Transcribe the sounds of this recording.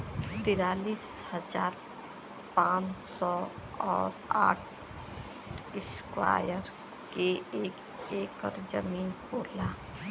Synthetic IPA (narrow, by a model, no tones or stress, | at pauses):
t̪ɪɾaːliːshəd͡ʒaːɾ | pãːt͡ʃt͡ʃsɔɔːɾa̰ːʈʰ | ɪskwa̰jəɾ | keeːk | eːkəɾd͡ʒə̰miːnkoːla